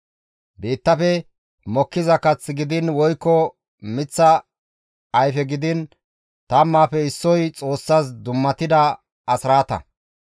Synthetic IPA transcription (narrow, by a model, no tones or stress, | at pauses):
beːt̪ːɐfɛ | mɔkːɪzɐkɐt͡sːɡɪd̪ɪnwɔjkːɔ | mɪt͡sːɐ | ɐjfɛɡɪd̪ɪn | t̪ɐmːaːfɛɪsːɔjt͡sʼo̞ːsːaːs̬d̪ʊmːɐt̪ɪd̪ɐ | ɐsɾaːt̪ɐ̰